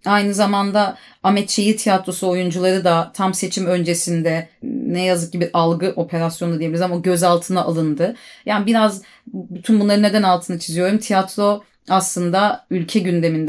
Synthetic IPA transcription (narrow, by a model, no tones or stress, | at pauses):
ajnɯzamand̪a | amɛt̪t͡ʃʰejit̪ʰijat̪ɾo̞suo̞jund͡ʒulˠaɾɯd̪at̪ʰamse̞t͡ʃʰimø̞nd͡ʒe̞sind̪ɛnɛjazɯk̚ɟibiɾʔalˠɡɯʔo̞pʰe̞ɾasjonadijilʲɾzamɟø̞zalˠt̪ʰɯnaʔːlˠɯnd̪ɯjaːnibiɾaz | byt̪ʰynbunlˠaɾɯned̪ænalˠt̪ʰɯːnat͡ʃʰizijo̞ɾumt̪ʰijat̪ɾo̞ | aslˠɯnd̪aylʲcʰɛɟynd̪e̞mind̪ɛ